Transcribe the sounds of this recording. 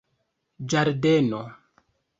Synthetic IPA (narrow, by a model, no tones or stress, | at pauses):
d͡ʒaɾdeno